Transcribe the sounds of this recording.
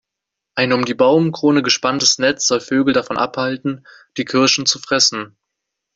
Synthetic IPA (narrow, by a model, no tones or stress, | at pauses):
ʔaɪnʊmdiːbaʊmkʁ̥oːnəɡəʃpantəsnɛt͡sz̥ɔlføːɡl̩dafɔnʔa̰phaltn̩ | d̥iːkʰɪɐʃn̩t͡sufʁ̥ɛsn̩